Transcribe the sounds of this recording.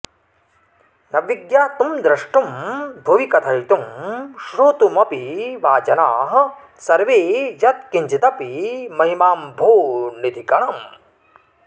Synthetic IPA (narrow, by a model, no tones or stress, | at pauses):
nɐʋiɡjaːt̪umd̪ɾɐʂʈumbʱuʋikɐt̪ʰɐjt̪umʃɾoːt̪umɐpiʋaːt͡ʃɐna̰ːɦɐ̆ | sɐɾʋeːjɐt̪̚kiɲt͡ʃit̪ɐpimɐɦimaːmbʱoːnit̪ikɐɳɐm